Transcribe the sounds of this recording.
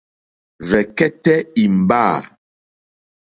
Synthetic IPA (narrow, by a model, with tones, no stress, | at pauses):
vɛ˨kɛ˦tɛ˦i˨m̩˨baː˦˨